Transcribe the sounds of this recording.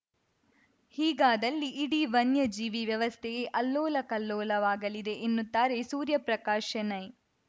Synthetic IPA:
hiːɡaːd̪ɐlːiʔːɽiʋɐnjɐd͡ʒiːʋiʋjɐʋɐst̪ʰeɡeʔɐlːoːlɐkɐlːɔːlɐʋaːɡɐlid̪e̞ʔenːut̪ːaːɾesuːɾjɐpɾɐkaːʃɐnɐj

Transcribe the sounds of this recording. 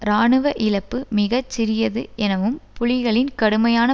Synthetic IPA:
ɾaːɳɯʋɐʔɪlɐpːɯmɪɣɐt͡ʃːɪɾɪjɐðɯʔɛnɐʋɯmpʊɻɪɣɐɭɪnkɐɽɯmɐjaːnɐ

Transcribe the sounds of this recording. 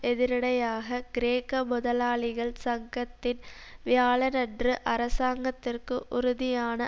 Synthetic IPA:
ɛðɪɾɐɽɐjaːɣɐɡ̥ɾeːkːɐmʊðɐlaːɭɪɣɐɭsɐŋɡɐt̪ːɪn | ʋjaːɭɐnɐɖrɯʔɐɾɐsaːŋɡɐt̪ːɪrkɯʔʊɾʊðɪjaːnɐ

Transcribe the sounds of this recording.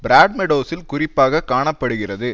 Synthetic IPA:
bɪɾaːɖ̚mɛɽoːsɪlkʊrɪpːaːɣɐkaːɳɐpːɐɽɯɣɪrɐðɯ

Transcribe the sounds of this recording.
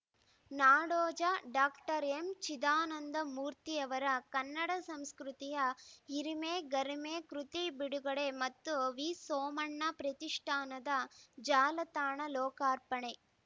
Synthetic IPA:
naːɽoːd͡ʒɐɖaːkʈɐɾemt͡ʃid̪aːnɐnd̪ɐmuːɾt̪ijɐʋɐɾɐkɐnːɐɽɐsɐmskɾut̪ijɐɦiɾimeːɡɐɾimeːkɾut̪ibiɽuɡɐɽe̞mɐt̪ːuʋiːsoːmɐɳːɐpɾɐt̪iʂʈʰaːnɐd̪ɐd͡ʒaːlɐt̪aːɳɐlɔːkaːɾpɐɳe

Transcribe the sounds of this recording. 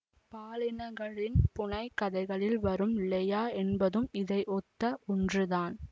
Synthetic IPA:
paːlɪnɐɣɐɭɪnpʊɳɐɪkːɐðɐɪɣɐɭɪlʋɐɾɯmlɐjaːɛnbɐðɯmɪðɐɪʔɔt̪ːɐʔɔndrɯðaːn

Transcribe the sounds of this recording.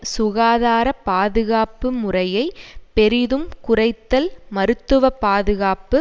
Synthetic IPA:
sʊɣaːðaːɾɐpaːðɯɣaːpɯmʊrɐjɐɪpɛɾɪðɯmkʊrɐɪt̪ːɐlmɐɾɯt̪ːɯʋɐpaːðɯɣaːpːɯ

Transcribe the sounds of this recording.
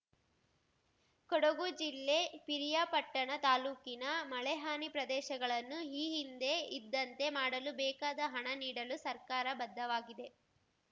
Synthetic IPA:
kɔɽɐɡud͡ʒilːepiɾijaːpɐʈːɐɳɐt̪aːluːkinɐmɐɭɛɦaːnipɾɐd̪ɛːʃɐɡɐɭɐnːuiːɦind̪e̞id̪ːɐnt̪e̞maːɽɐlubɛːkaːd̪ɐɦɐɳɐniːɽɐlusɐɾkaːɾɐbɐd̪ːɐʋaːɡid̪e̞

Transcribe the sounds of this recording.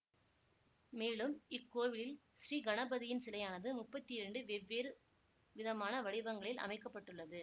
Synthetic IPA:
meːlɯmɪkːoːʋɪlɪlsɾiːɡɐnɐbɐðɪjɪnsɪlɐjaːnɐðɯmʊpːɐt̪ːɪɪɾɐɳɖɯʋɛʋːeːɾɯ | ʋɪðɐmaːnɐʋɐɽɪʋɐŋɡɐɭɪlʔɐ̰mɐɪkːɐpːɐʈːɯɭːɐðɯ

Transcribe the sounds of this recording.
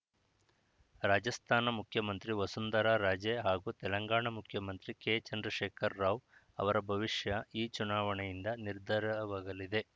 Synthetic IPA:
ɾaːd͡ʒɐst̪ʰaːnɐmukʰjɐmɐnt̪ɾiʋɐsund̪ɐɾaːɾaːd͡ʒeɦaːɡuːt̪ɛlɐŋɡaːɳɐmukʰjɐmɐnt̪ɾikeːt͡ʃɐnd̪ɾɐʃeːkʰɐɾːaːʋ | ɐ̰ʋɐɾɐbʱɐʋiʂjɐiːt͡ʃunaːʋɐɳɛjind̪ɐniɾd̪ʱɐɾɐʋaːɡɐlid̪e̞

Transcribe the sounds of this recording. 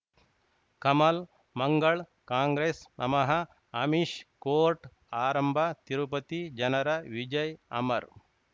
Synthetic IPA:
kɐmɐl | mɐŋɡɐɭ | kaːŋɡɾeːsnɐ̰mɐɦɐ | ɐmiʃkoːɾʈ | aːɾɐmbʱɐt̪iɾupɐt̪id͡ʒɐnɐɾɐʋid͡ʒɐjɐ̰mɐɾ

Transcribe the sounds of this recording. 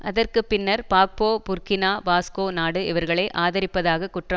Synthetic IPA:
ɐðɐrkɯpːɪnːɐɾpaːk̚poːpʊrkɪnaːʋaːskoːnaːɽɯɪʋɐɾɣɐɭeːʔaːðɐɾɪpːɐðaːɣɐkːʊʈrɐm

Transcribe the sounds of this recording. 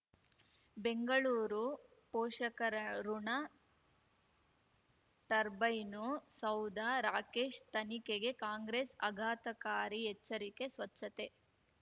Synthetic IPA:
beŋɡɐɭuːɾu | pɔːʂɐkɐɾɐɾuɳɐ | ʈɐɾbɐjnusɐwd̪ʱaɾaːkeːʂt̪ɐnikeɡe̞kaːŋɡɾeːsɐɡʱaːt̪ɐkaːɾiɦɛt͡ʃːɐɾike̞sʋɐt͡ʃːɐt̪e

